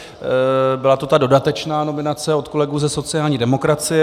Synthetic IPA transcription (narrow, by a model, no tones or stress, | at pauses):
bɪlat̪o̞t̪ado̞dat̪ɛt͡ʃnaːno̞mɪnat͡sɛo̞t̪ko̞lɛɡuːzɛso̞t͡sɪjaːlɲiːdɛmo̞kɾat͡sɪjɛ